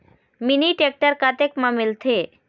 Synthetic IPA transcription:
miniʈek̚ʈəɾkat̪ekmamilt̪ʰe

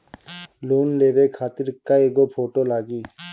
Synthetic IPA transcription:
loːnleːbeːkʰaːt̪iɾkaeːɡoːpʰoːʈoːlaːɡiː

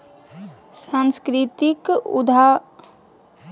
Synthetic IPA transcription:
sãnskɾɪt̪ikṵd̪ʱa

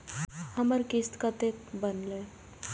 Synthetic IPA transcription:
həməɾkist̪kat̪ekbənle

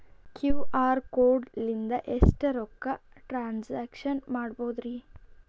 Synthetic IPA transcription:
kjuːaːɾkoːɖlind̪ɐʔesʈɐɾɔkːɐ | ʈɾaːnsaːkʂɐnmaːɽboːd̪ɾi

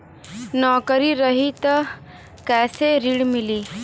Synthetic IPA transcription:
nɔːkəɾiɾəɦit̪ | kɛːseɾiɽmiliː

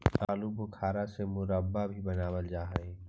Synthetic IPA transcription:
aːlubʊkʰaːɾasemʊɾəbːabʱibɐnaːwəld͡ʒaːɦẽː

